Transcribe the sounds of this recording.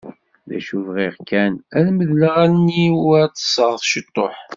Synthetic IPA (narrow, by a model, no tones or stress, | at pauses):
ðæ̰ʃuvʁiʁkːænæɾməðləʁænːiwæt͡sːə̥sˤəʁəθʃət̪ˤːoħ